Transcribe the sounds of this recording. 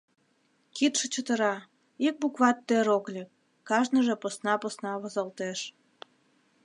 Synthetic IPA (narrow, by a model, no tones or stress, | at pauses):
kit̪ʃĕt͡ɕət̪əɾɑ | ik̚bukβɑt̪ːøɾoklʲekː | ɑʒnəʒeposnɑpəsnɑβəzəlt̪eʃ